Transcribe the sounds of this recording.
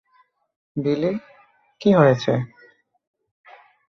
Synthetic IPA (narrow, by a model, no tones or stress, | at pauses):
bili | kiɦojet͡ɕʰe